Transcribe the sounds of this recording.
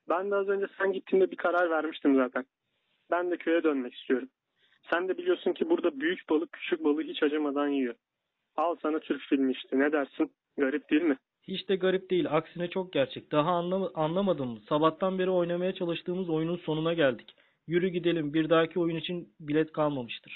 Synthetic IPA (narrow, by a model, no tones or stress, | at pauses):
bænd̪ɛazø̞nd͡ʒɛsænɟit̪ʰːimd̪ɛbikʰaɾaɾvæɾmiʃt̪ʰɯmzaːt̪ʰæn | bænd̪ɛcʰø̞jɛd̪ønmɛci̥st̪ʰijo̞ɾum | sænd̪ɛbilʲijoɾsuncʰibuɾd̪abyjycbalˠɯcʰy̥t͡ʃʰyc̚balˠɯɦit͡ʃʰad͡ʒamad̪anjijo | alˠsanat̪ʰyɾcfilʲmiːʃt̪ʰinɛd̪æɾsin | ɡaɾip̚d̪̥eilʲmɪ | hit͡ʃt̪ɛɡaɾip̚d̪e̞jilʲaksinɛt͡ʃʰo̞k̚ɟæɾt͡ʃʰɛc̚d̪̥aɦaanlˠamad̪ɯmmɯsabat̪ʰːanbe̞ɾio̞jnamajat͡ʃʰalˠɯʃt̪ʰɯːmɯzo̞jununso̞nunaɟælʲd̪i̥c | jyɾyɟid̪e̞lʲimbiɾd̪aːcʰio̞junit͡ʃʰinbilʲɛt̪kʰalˠmamɯʃt̪ʰɯɾ̥